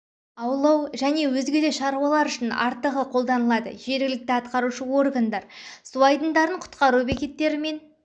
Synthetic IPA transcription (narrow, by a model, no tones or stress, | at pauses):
ɑwlˠɑwʒæne̞wɵzɡʲe̞d̪eʃɑɾuɑlˠɑɾʏʃɪnɑ̰ɾt̪əʁəqʰo̞lˠd̪ɑnəlˠɑd̪ə̰ʒ̥e̞ɾɡʲɪlɪk̚t̪ɪɑt̪qɑɾuʃəwo̞rɡand̪ɑɾsuɑjd̪ənd̪ɑɾəɴqʰʊ̥t̪qɑɾube̞kʲe̞t̪ːe̞ɾɪme̞n